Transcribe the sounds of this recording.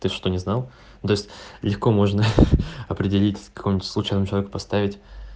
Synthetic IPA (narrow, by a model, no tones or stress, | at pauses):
t̪ɨʂt̪o̞nʲɪznalˠ | nʊt̪o̞ɪsʲtʲlʲɪxko̞mo̞ʐnəɐpɾʲɪdʲɪlʲitʲkɐ̥kʰo̞mʲnʲɪt̪ʲslˠʊt͡ɕɛnmʊt͡ɕɪlˠvʲekʊpɐst̪avʲɪtʲ